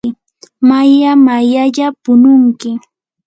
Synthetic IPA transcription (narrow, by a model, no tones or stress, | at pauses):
ɪ | majamajaʎapʊnʊŋkɪ